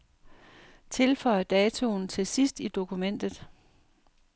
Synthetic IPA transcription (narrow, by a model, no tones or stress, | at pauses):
t͡sʰe̝lfɒ̽ɪ̰ɐd̥ɛːt͡sʰo̝ːnt͡sʰe̝sisd̥id̥o̝kʰumen̰d̥ð̞̩ˠ